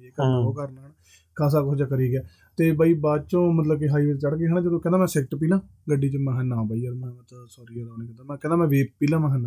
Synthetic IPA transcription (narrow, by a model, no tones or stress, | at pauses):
eːkəɾnoːkəɾnaɳ | kʰaːs̬aːkʊsd͡ʒaːkəɾiːɡɛː | t̪eːbaːiːbaːt͡ʃõːmət̪ləbkeɦaːiːʋeːt͡ʃəɽkeːɦə̃ãd͡ʒəd̪õːkɛ̃ːnaːmɛ̃ːsɛk̚ʈp̬iːlãːɡəɖːiːt͡ʃəmɛ̃ːɦɛnãːbaːiːɔɾmɛ̃ːət̪ːsɔːɾiːod̪aːniːkəd̪amɛ̃ːkɛ̃ːnãːmɛ̃ːʋeːp̚piːlãːmɛ̃ɦɛnãː